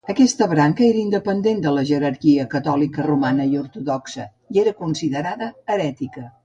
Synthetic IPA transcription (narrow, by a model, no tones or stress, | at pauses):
əkɛst̪əβɾaŋkəeɾəind̪əpənd̪end̪ələʒəɾəɾkiəkət̪ɔlikərumanəiuɾt̪uðɔksə | ieɾəkunsiðəɾaðəːɾɛt̪ikə